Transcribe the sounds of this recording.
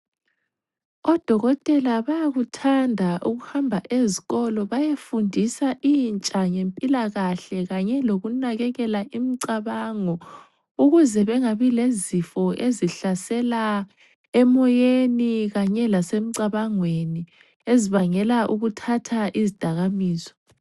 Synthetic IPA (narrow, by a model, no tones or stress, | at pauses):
ɔd̥ʱɔɣɔtʼɛlaβajaɣutʰandʱaʔuɣuhambʱaʔeziɣɔlɔβajefundʱisaʔint͡ʃʼaŋempʼilaɣaɬɛɣaɲɛloɣunaɣɛɣɛlaʔimiǀaβaŋɔ | uɣuzɛβɛŋaβilezifɔʔeziɬasɛla | ɛmɔjeniɣaɲɛlasem̩ǀaβaŋweni | eziβaŋɛlaʔuɣutʰatʰaʔizid̥ʱaɣamiːzɔ